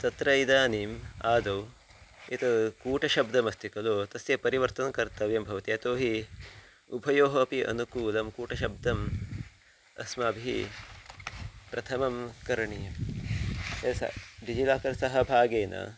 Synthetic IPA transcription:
t̪ɐt̪ɾɐjd̪aːniːmaːd̪ɐw | it̪ɐkuːʈɐʃɐb̚d̪ɐmɐst̪ʰikɐloːt̪ɐsjɐpɐɾiʋɐɾt̪ɐnkɐɾt̪ɐʋjɐmbʱɐʋɐt̪ijɐt̪oːɦi | upʰɐjoːɦɐːpiʔɐ̰nukuːlɐmkuːʈɐʃɐb̚d̪ɐm | ɐ̰smɐbʱiḭ | pɾɐt̪ʰɐmɐmkɐɾɐɳiːɐm | esɐ̰ɖid͡ʒilaːkɐɾsɐɦɐ̆bʱaːɡeːnɐ̰

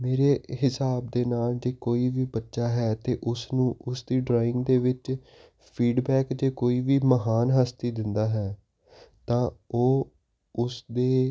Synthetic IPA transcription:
meːɾeːhɪsaːb̚d̪eːnaːld͡ʒeːkoːiːʋiːbətːʃaːɦɛːt̪eːʔʊsnũːʔʊsd̪iːɖɾaːɪ̃ŋɡd̪eːʋɪt͡ʃ | pʰiːɖbɛːkd͡ʒeːkoːiːʋiːməɦaːnɦaːst̪iːd̪ɪnd̪aːɦɛː | t̪ãːoː | ʊsd̪eː

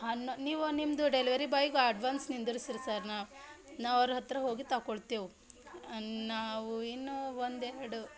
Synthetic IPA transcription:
ɦɐnːoniːʋunimd̪uɖeliʋɐɾibaːjiɡuɐɖʋaːnsnind̪uɾisiɾisaːɾnaːʋu | naːʋɐɾɐɦɐt̪ɾɐɦo̞ːɡit̪ɐkoɭt̪eːʋu | naːʋuinːuʋond̪ɛɾɐɽu

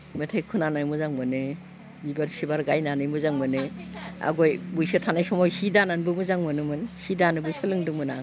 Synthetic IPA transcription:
metʰajkʰunanajmuzaŋmɯnɯ | ibaɾsibaɾɡajnanɯjmuzaŋmɯnea̰ɡɔjbujsɯtʰanajsɔmɔjhidananbɯmuzaŋmɯnɯmɯnhidanɯbɯsɯlɯŋdɯŋmɯnaŋ

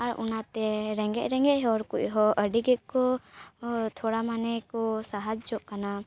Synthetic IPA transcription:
aɾṵnat̪ɛɾɛŋɡɛ̰ʔɾɛŋɡɛʔɦɔɾkuc̚ɦɔʔəɖiɡɛʔkɔ | t̪ʰɔɽamanɛkɔsaɦad͡ʒd͡ʒɔʔkana

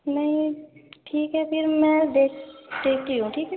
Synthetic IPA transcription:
mɛĩʈʰiːkɦɛpʰɪɾmɛ̃d̪eːkʰʈ̪eːk̚t̪iɦũʈʰiːkɦɛ

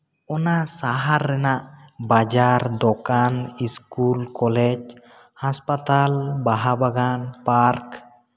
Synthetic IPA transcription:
ɔnasaɦaɾːɛnaʔbad͡ʒaɾd̪ɔkaniskulkɔlɛd͡ʒ | haspat̪albaɦabaɡanpaɾk

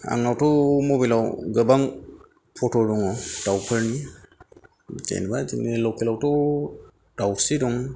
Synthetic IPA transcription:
a̰ŋawtɔmɔbilawɡəbaŋ | pʰɔtɔdɔŋɔd̥awpʰəɾni | d͡ʒa̰jnbad͡ʒinelɔkʰilawtɔ | d̥awsidɔŋ

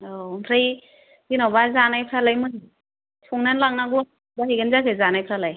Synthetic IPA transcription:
onpʰɾɯj | zinawbazanajpʰɾalajmɯ | sʰuŋnanlaŋnaɡu | baɦiɡɯnzakʰɯzanajpʰɾalaj

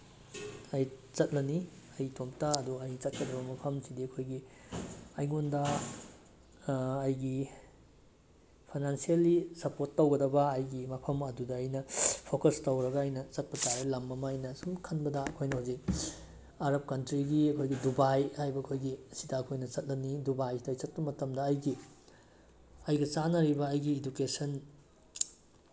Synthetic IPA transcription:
ɐjt͡ʃɐt̚lɐniɐjtʰomtɐɐduɐjt͡ʃɐt̚kɐdɐbɐmɐpʰɐmsidiɐkʰojɡi | ɐjŋondɐ | jɡi | pʰajnansielːisɐpoɾtːɐwɡɐdɐbɐːjɡimɐpʰɐmɐdudɐɐjnɐpʰokɐstɐwɾɐɡɐːjnɐt͡ʃɐt̚pɐtaɾɐlɐmɐmɐɐjnɐsumkʰɐnbɐdɐɐkʰojnɐhuzik̚ | aɾɐp̚kɐntɾiɡiɐkʰojɡidubajhajbɐːkʰojɡiɐsidɐɐkʰojnɐt͡ʃɐt̚lɐnidubajtɐjt͡ʃɐt̚pɐmɐtɐmdɐːjɡi | ɐjɡɐt͡ʃanɐɾibɐːjɡiːdukesɐn

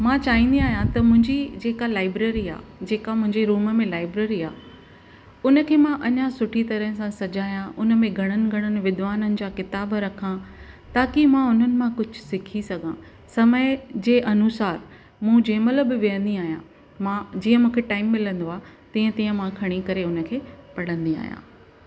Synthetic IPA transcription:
mãːt͡ɕaːɦĩːnd̪iaːɦjãt̪ɐmʊ̃ɦɪ̃ɲd͡ʑid͡ʑeːkalaːɪbɾeːɾia̰ːd͡ʑeːkamʊ̃ɦɪ̃ɲd͡ʑeɾuːməmẽlaːɪbɾeːɾiaː | ʊnə̆kʰeːmãʔɐɲãsʊʈʰit̪ɐɾəɦsãsɐd͡ʑaːjãʔʊnə̆mẽɡʱɐɽ̃ənɪ̆ɡʱɐɽ̃ənɪ̆ʋɪd̪ʋaːnənɪ̆d͡ʑaːkɪt̪aːbɾɐkʰãt̪aːkimãʊn̤ənɪ̆mãkʊd͡ʑʱʊ̆sɪkʰisɐɡʱã | sɐməɪd͡ʑeːʔɐnʊsaːɾ | mũd͡ʑeːmələbɪʋijə̃nd̪iaːɦijã | mãd͡ʑiːə̃mũːkʰeʈaːɪmːɪlə̃nd̪oaːt̪ĩːə̃t̪ĩːə̃mãkʰɐɽ̃ikɐɾeʊnə̆kʰeːpɐɽə̃nd̪ia̰ːɦijã̰ː

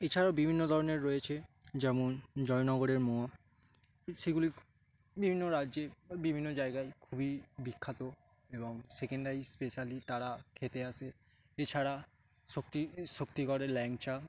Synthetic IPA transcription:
et͡ɕʰaɾawbibʱinːod̪ʱɔɾoneɾːɔjet͡ɕʰed͡ʑɛmond͡ʑɔjnɔɡoɾeɾmoa | ʃeɡuli | bibʱinːoɾadːʑebibʱinːod͡ʑaeɡajkʰubibikʰːat̪o | eboŋsekeɳɖaispeʃalit̪aɾakʰet̪eaʃʰe | et͡ɕʰaɾa | sokt̪iʃokt̪ikɔɾelɛŋt͡ɕa

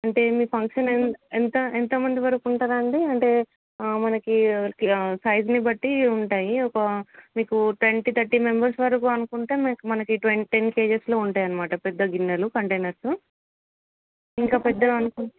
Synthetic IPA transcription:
ɐɳʈe̞ːmiːpʰɐŋkʂɐnenent̪ɐent̪ɐmɐnd̪iʋɐɾɐkuɳʈaːɾɐɳɖiɐɳʈe̞ː | mɐnɐkiksɐjd͡ʒnibɐʈːiuɳʈaːjiɔkɐmiːkuʈʋe̞ɳʈiːt̪ʰɐɾʈime̞mbɐɾsʋɐɾɐkuɐnukuɳʈeːmːkumɐnɐkiʈʋeʈenke̞ːd͡ʒeslo̞ːuɳʈaːjɐnɐmaːʈɐpɛd̪ːɐɡinːɐlukɐɳʈejnɐɾsu | iŋkaːpɛd̪ːɐlɐnukuɳ

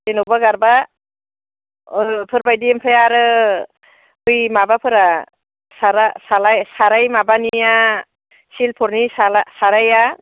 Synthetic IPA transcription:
denɯbaɡaɾba | pʰɯɾbajdimpʰajaɾɯ | ɯjmabapʰɯɾa | saɾasalajsaɾajmabanija | silpʰɔɾnisaasaɾaja

